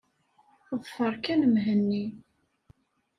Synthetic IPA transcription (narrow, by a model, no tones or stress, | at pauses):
ðˤfəɾˤkænəmɦənːi